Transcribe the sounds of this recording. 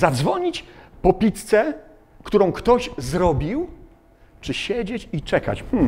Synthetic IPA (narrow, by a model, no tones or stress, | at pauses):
zad̪zvɔɲit͡ɕpɔpʲit̪t̪sɛ | kt̪uɾɔ̃w̃kt̪ɔʑzɾɔbʲiw | t͡ʂɘɕed͡ʑet͡ɕit͡ʂɛka̰t͡ɕmm̩